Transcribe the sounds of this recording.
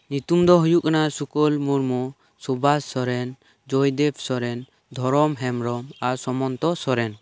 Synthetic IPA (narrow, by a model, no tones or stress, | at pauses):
ɲut̪umd̪ɔɦujuʔkanasukɔlmuɾmɔ | sɔbassɔɾɛn | d͡ʒɔjd̪ɛbsɔɾɛn | d̪ʱɔɾɔmɦɛmɾɔmaɾsɔmɔnt̪ɔsɔɾɛn